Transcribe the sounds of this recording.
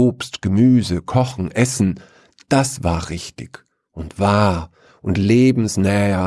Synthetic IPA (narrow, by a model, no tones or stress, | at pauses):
oːpstɡ̥əmyːzəkʰɔχn̩ʔɛsn̩ | d̥asv̥aːɐʁɪçtɪç | ʔʊntv̥aː | ʔʊntleːbm̩snɛːɐ